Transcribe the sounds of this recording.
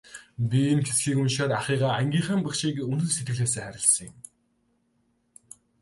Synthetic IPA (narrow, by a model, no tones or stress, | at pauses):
pʲimxʰesxiːkunʃaːɾaχiːʁaːæŋɡʲiːχaːmpə̆kʃiːkɵnt̪ɵ̆set̪ɡɘ̆ɣɮeːsæːχæɾʲɪ̆ɮsə̆ŋɪ̆m